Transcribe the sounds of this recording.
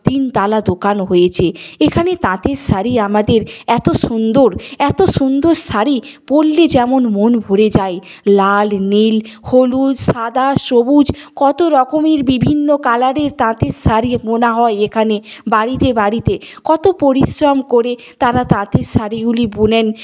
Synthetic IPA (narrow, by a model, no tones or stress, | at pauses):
t̪int̪alad̪okanɦojet͡ɕʰeekʰanet̪ãt̪eɾʃaɾiamad̪eɾɛt̪oʃund̪oɾɛt̪oʃund̪oɾsaɾib̥olːed͡ʑɛmonmonbʱoɾed͡ʑae | lalnilholud͡ʑʃad̪aʃobud͡ʑkɔt̪oɾɔkomiɾbibʱinːokalaɽeɾt̪ãt̪eɾsaɾimonaɦɔeekʰanebaɾit̪ebaɾit̪ekɔt̪opoɾisɾamkoɾe | t̪aɾat̪ãt̪eɾʃaɾiɡulibunen